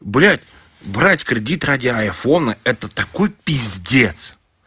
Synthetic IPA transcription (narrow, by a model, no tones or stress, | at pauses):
bɾʲætʲ | bɾatʲkɾʲɪdʲit̪radʲɪajfonəɛt̪ət̪ɐkojpʲɪzʲdʲe̞t̪s